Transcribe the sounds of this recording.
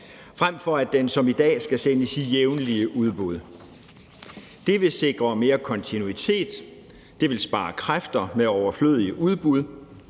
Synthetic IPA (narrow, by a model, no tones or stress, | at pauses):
fʁam̰fɒ̽æd̥ensɒ̽mid̥ɛ̰ːsɡ̥æsenəsijeʊnliəʔuð̞ˠb̥uð̞ˠ | d̥e̝ʋe̝se̝ɡ̥ʁɐme̝ːɐkʰɒ̽nt͡sʰinuit͡sʰe̝̰ːd̥ː | e̝ʋe̝lsb̥ɑ̰̈ːkʰʁafd̥ɐmeɒʊɐflø̰ð̰ˠiəʔuð̞ˠb̥uð̞ˠ